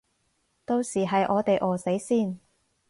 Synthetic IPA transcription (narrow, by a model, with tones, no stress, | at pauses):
t̪o˧wsiː˨˩ɦɐ˨jʔɔː˨˧t̪e˨jʔɔː˨˩se˨˥jsiː˥˩n